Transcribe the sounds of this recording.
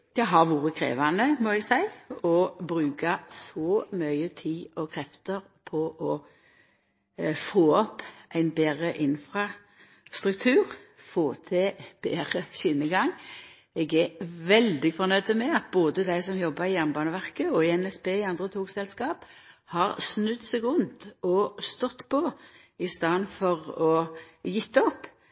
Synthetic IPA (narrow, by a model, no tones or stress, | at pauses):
d̪̥ɛɦɑʁʋuːʁəkʰʁḛːʋɑnəmɔɛɡsæɪɔbʁʉːkɑsɔːmœʏət̪ʰiːɔkʰʁɛft̪əʁ | pʰɔʔɔ | foːɔpʔæɪnbeːʁəʔɪnfʁɑ | st̪ʁʉk̚t̪ʰʉːʁ | foːt̪ʰɛb̥eːʁəʃɪnːəɡɑŋː | ɛɡɛʋɛld̪ɪfɔʁnœʏd̪əmɛɑt̪̚boːd̪əd̪æɪsɔmjɔbːəʁɪjæʁnəbɑːnəʋæʁkəɔɛnɛsbeːɪɑnd̪ʁət̪ʰuːɡsɛlskɑːp | hɑːʁsnʉd̪sɛɡʊnt̪ɔst̪ɔt̪ːpʰɔ | ɪst̪ɑnfɔʁɔjɪt̪ːəɔpː